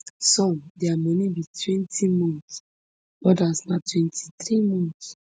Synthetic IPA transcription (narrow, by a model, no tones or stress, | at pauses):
sɔ̃dɛamɔnĩbitʰwɛ̃ntʰimɔ̃nt | ɔdasnatwɛ̃ntʰi̥t̪ɾimɔ̃nt